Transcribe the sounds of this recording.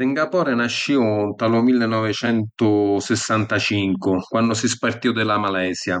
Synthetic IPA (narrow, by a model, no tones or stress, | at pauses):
siŋɡapɔːɾɛnaʃːiʊt̪alʊmilːɪnːɔvɪt͡ʃɛnt̪ʊsɪsːant̪at͡ʃiŋkʊkwanːʊsispart̪iwd̪ɪlamalɛːsja